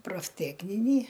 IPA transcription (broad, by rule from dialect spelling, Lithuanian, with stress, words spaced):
proːfʲˈtʲæːknʲɪnʲiː